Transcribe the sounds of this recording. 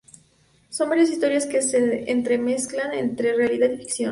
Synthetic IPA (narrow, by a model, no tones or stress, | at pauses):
so̞mbaɾjas̬ist̪o̞ɾjaske̞seʔent̪ɾe̞me̞sklane̞nt̪ɾe̞realiðaðifiksjo̞̰n